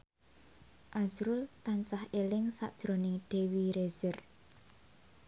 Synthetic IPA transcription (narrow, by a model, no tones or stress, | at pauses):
ʔazɾʊlt̪ant͡ʃahelɪŋsa̰ʔd̥ʒ̥ɾo̤nɪŋd̪̥e̤wiɾez̥ər